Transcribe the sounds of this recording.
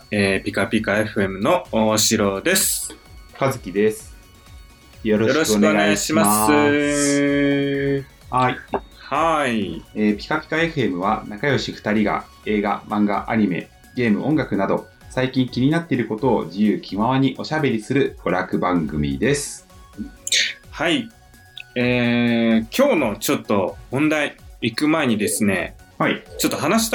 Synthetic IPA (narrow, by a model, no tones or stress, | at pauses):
eːpʲikapʲikae̞ɸɯ̟e̞mɯ̟no̞oɕiɾod̪e̞sɨ̥kazɨkʲid̪e̞sɨ̥ | jo̞ɾo̞joɾoɕkɯonɯeoɡ̪eɡaɕimaas | haihaieːpʲi̥kapʲi̥kae̞ɸɯ̟e̞mɯ̟β̞anakajo̞ɕiɸɯ̥t̪aɾʲiɡa̰ | e̞ːɡa̰mãŋɡa̰ʔaɲ̟ime̞̰ | ɡ̥e̞ːmɯ̟ʔõ̞ŋɡakɯ̟nad̪o̞ | saikʲĩŋkʲiɲ̟inat̪ːe̞iɾɯ̟ko̞t̪o̞ːd͡ʑijɯ̟ːkʲʰimaβ̞aɲ̟iʔo̞ɕabe̞ɾʲisɨɾɯ̟ɡ̥o̞ɾakɯ̟bãŋɡɯ̟mʲḭd̪e̞sɨ̥ | hai | e | kʲʰo̞ːnot͡ɕo̞t̪ːo̞mõ̞nd̪aiikɯ̟mae̞ɲ̟id̪e̞sɨne̞̰hait͡ɕot̪ːoɦanaɕi̥t̪